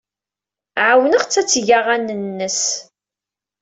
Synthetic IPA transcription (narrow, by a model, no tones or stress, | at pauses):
ʕawnəʁt͡sːæt͡sːʝaʁænənːəs